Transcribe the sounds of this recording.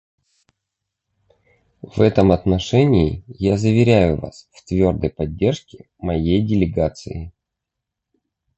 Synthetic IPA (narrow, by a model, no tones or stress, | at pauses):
vɛt̪əmɐt̪nɐʂɛnʲɪɪ̰jazəvʲɪɾʲæjʊva̰sft̪vʲo̞rd̪əjpɐdʲːe̞rʂkʲɪ | mɐjejdʲɪlʲɪɡat̪sɨ̰ɪ